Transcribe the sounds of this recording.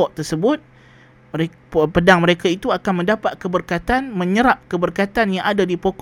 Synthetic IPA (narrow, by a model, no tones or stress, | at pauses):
ɔʔt̪ərsəbʊt̪̚ | əe | pədaŋməɾekait̪uakanmə̃ndapat̪̚kəbərkat̪anmə̃ɲəɾap̚kəbərkat̪anjaŋadadipok